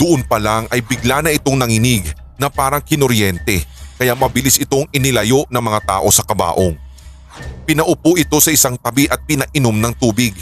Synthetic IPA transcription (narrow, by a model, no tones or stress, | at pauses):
d̪̥ʊʔonpɐlaŋʔɐjbɪɡlanɐʔɪt̪o̞ŋnɐŋɪnɪɡ | nɐpaːɾɐŋkɪnoɾjɛnt̪ɛkɐjaʔmɐbɪlɪsɪt̪o̞ŋɪnɪlɐjo̞ʔnɐŋmɐŋat̪a̰ːʔo̞sɐkɐba̰ːʔoŋ | pɪnɐʔʊpoʔɪt̪o̞sɐʔɪsaŋt̪ɐbiʔɐt̪̚pɪnɐʔɪno̞mnɐŋt̪uːbɪɡ̚